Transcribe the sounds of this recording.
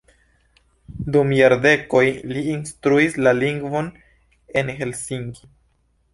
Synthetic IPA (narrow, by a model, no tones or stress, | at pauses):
dumjaɾde̞ko̞jliːnstɾuislaliŋɡvo̞n | e̞nhe̞lsiŋɡi